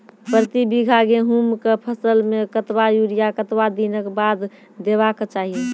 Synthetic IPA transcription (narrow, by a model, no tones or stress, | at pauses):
pɾt̪ibiɡʱaɡeɦumkepʰəsəlmekət̪wajuɾijakət̪wad̪inəkbad̪ | d̪eβakt͡ʃaːɦi